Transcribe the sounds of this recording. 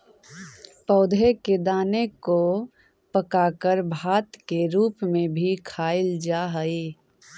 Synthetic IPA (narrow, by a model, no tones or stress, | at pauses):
pəːd̪ʱeked̪aːneko | pəkaːkəɾbʱaːt̪keɾuːpmẽbʱikʰaːɪld͡ʒaːɦəiː